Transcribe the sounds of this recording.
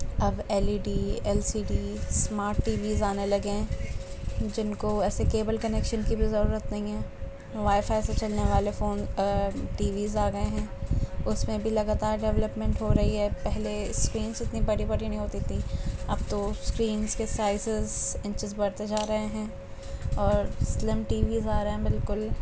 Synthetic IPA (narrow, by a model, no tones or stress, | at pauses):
ɐbɛːliːɖiːɛːlsiːɖiːsmaːɾʈːiːʋiːzaːnelɐɡẽ | d͡ʒɪnkoɛːsekeːbəlkɐnɛkʃənkibʱizɐɾuːɾət̪nɐɦĩɦɛː | ʋaːɪfaːɪset͡ʃɐlneʋaːlefoːnʈiːʋiːzaːɡɐeɦɛ̃ːʊsmẽbʱilɐɡaːt̪aːɾɖɛʋləpmɛ̃ɳʈɦoɾɐɦiɦɛpɛɦleskɾiːnsɪt̪nibɐɽibɐɽinɐɦĩɦoːt̪it̪ʰĩɐb̚t̪oskɾiːnskesaːɪsɪzɪ̃ɲt͡ʃɪzbɐɽt̪ed͡ʒaːɾɐɦeɦɛ̃ː | ɔːɾslɪmʈiːʋiːzaːɾɐɦɛ̃bɪlkʊl